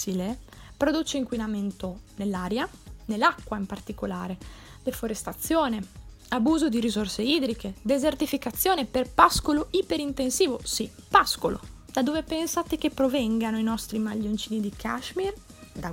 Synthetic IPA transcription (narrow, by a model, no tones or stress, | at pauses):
ile | pɾod̪ut͡ʃeiŋkwinament̪onelːaːɾjanelːakːwaimpart̪ikolaːɾe | d̪efoɾest̪at̪sːjoːne | abuːzod̪iɾizorseiːd̪ɾiked̪ezert̪ifikat̪sːjoːneperpaskoloʔipeɾint̪ensiːvosi | paskolo̰ | d̪̥ad̪oːvepɛnsat̪ekepːɾovɛŋɡanoinɔst̪ɾimaʎːont͡ʃiːnid̪ikʰaʃmird̪a